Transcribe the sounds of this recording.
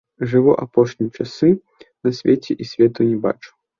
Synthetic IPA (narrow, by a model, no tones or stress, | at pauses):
ʐɨvɔʔapɔʂnʲit͡ʂasɨ | nɐsʲvʲet͡sʲɛʔisʲvʲɛt̪unʲɛba̰t͡ʂu̥